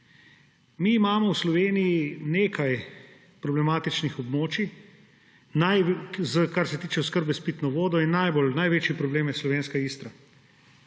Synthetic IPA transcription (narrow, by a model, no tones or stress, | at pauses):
miːmaːmɔwslɔʋeːnijineːkʰaj | pɾɔblɛmaːt̪it͡ʃnixɔbmoːt͡ʃi | najzəkaɾsɛt̪iːt͡ʃɛskəɾbɛspiːt̪nɔʋoːd̪ɔinːajbolnajʋeːt͡ʃjipɾɔbleːmjɛslɔʋeːnskaiːst̪ɾa